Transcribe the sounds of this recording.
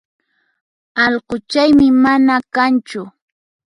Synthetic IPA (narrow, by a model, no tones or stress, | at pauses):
ɑʎɢʊt͡ʃajmɪmanakant͡ʃʊ